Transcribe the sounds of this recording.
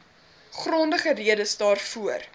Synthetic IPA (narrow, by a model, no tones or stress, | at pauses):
χrɔndəχəriədəsdɑːrfuər